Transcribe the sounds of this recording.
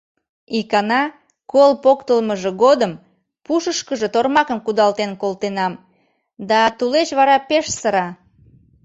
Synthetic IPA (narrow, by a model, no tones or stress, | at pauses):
ikɑnɑ | kolpokt̪əlməʒeɣod̪əm | puʃəʃkəʒot̪ormɑkəmkud̪ɑlt̪enkolt̪enɑm | d̪ɑt̪uleʃβɑɾɑpeʃsəɾɑ